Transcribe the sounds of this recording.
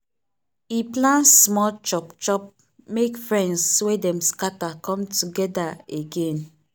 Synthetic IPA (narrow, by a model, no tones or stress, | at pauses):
iplãnsmɔlt͡ʃɔpt͡ʃɔp̚ | mekfɹɛ̃ndswedɛmskatakɔ̃mtuɡɛdaeɡẽn